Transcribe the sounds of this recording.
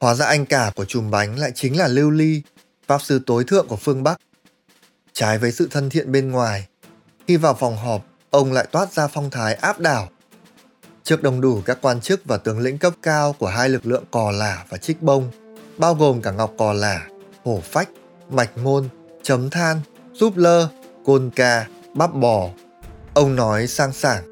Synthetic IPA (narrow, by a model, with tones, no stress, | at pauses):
hwaː˨˦za̰ː˧ʔa˧jŋ̟kaː˧˩ku˧˩ət͡ɕʊ˨˩ŋ͡mɓa˨˦jŋ̟la̰ː˧˨jt͡ɕï˨˦ŋ̟laː˨˩li˧wli˧ | faː˦˥p̚sɨ˧t̪o˨˦jt̪ʰɨ̰˧˨əŋku˧˩əfɨ˧əŋɓa˦˥k̚ | t͡ɕaː˨˦jvəː˨˦jsɨ̰˧˨t̪ʰə˧nt̪ʰḭ˧˨ənɓe˧nŋwaː˨˩j | xi˧vaː˨˩wfɔ˨˩wŋ͡mɦɔ˨˩p̚ | ʔə˧wŋ͡mla̰ː˧˨jt̪waː˦˥t̚zaː˧fɔ˧wŋ͡mt̪ʰaː˨˦jʔaː˦˥p̚ɗaː˧˩w | t͡ɕɨ˦˥ək̚ɗə˨˩wŋ͡mɗu˧˩kaː˦˥kːwaː˧nt͡ɕɨ˦˥k̚vaː˨˩t̪ɨ˨˦əŋlḭ̈˧˥ŋ̟kə˦˥p̚kaː˧wku˧˩əɦaː˧jlɨ˨˩k̚lɨ̰˧˨əŋkɔ˨˩laː˨˩vaː˨˩t͡ɕï˦˥k̚ɓə˧wŋ͡mɓaː˧wɣo˨˩mkaː˧˩ŋa˨˩wk͡p̚kɔ˨˩laː˧˩ho˧˩fa˦˥jk̟̚ | ma˨˩jk̟̚ŋo˧n | t͡ɕə˨˦mt̪ʰaː˧n | zu˦˥p̚ləː˧ko˧nkaː˧ | ɓaː˦˥p̚ɓɔ˨˩ | ʔə˧wŋ͡mnɔ˨˦jsaː˧ŋsaː˧˩ŋ